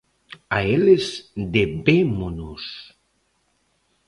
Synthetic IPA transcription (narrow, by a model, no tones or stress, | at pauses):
aelezd̪ebemonos